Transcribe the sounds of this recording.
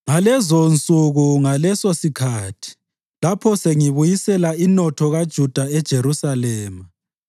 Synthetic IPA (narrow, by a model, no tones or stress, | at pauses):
ŋalɛzont͡sʼuɣuŋalɛsosikʰaːtʰi̥ | lapʰɔseŋiβujisɛlainɔtʰɔɣad̥ʒ̥ʱud̥ʱaɛd̥ʒ̥ʱeɾusalɛːma